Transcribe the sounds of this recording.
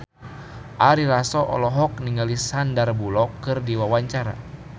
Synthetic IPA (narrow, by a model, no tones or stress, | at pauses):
ʔaɾilasɔʔɔ̰lɔɦɔk̚niŋɡalisandarbulɔkːɨrdiwawaɲt͡ʃaɾa̰